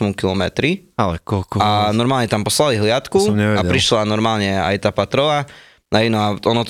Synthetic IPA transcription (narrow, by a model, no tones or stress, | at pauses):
mumkilɔmɛt̪ɾialɛkɔlkɔanɔɾmaːlɲɛt̪ampɔslaliɦlɪat̪kumɲɛʋɛapɾiʃlanɔɾmaːlɲɛa̰jt̪aːpat̪ɾɔla | ɦɛnɔaɔnɔt̪